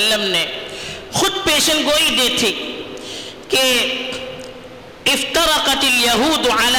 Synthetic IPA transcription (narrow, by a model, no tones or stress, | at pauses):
lːəmne | xʊd̪̚peːʃənɡoːid̪eːt̪ʰi | ke | ɪft̪ɐɾɐqɐt̪ɪljɐɦuːd̪ʕala